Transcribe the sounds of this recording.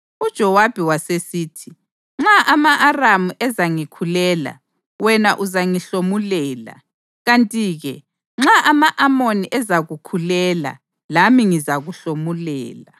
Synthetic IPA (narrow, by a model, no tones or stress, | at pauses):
ud̥ʒ̥ʱɔwab̥ʱiwasesiːtʰi | ŋ͡ǁaʔamaʔaramuʔɛzaŋikʰulɛːla̰ | wɛnaʔuzaŋiɬomulɛːla̰ | ɣantʼiːɣɛ̰ | ŋ͡ǁaʔamaʔamoniʔɛzaɣukʰulɛla̰ | lamiŋizaɣuɬomulɛ̰ːla